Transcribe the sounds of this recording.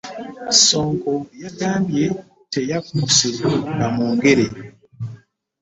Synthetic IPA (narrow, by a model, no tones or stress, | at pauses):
soːŋkojaɡaːmbje̞ | te̞jakuseŋɡamuːŋɡe̞ɾe